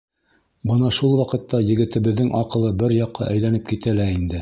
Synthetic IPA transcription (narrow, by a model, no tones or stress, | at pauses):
bɤnɑʃulˠwɑqɤ̆t̪ːɑjɘ̆ɡɘ̆t̪ɘ̆βɘ̆ðːɘŋʔɑqɤ̆lˠɤbɘɾjɑqːɑ̰ʔæjlænɘp̚kit̪ælæind̪ɘ